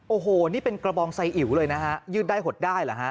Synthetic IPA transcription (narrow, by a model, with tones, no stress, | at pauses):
ʔoː˧˩ɦoː˨˧˩niː˥˩pe˧nkɾa˧bɔː˧ŋsa˧jʔi˨˩˦wlɤː˧jna˦˥kʰa˦˥ʔjɯː˥˩daː˥˩jɦo˨˩t̪̚daː˥˩jla˨˩kʰa˦˥ʔ